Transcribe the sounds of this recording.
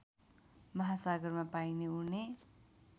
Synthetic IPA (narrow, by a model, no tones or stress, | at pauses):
mʌɦasaɡʌrmapajneune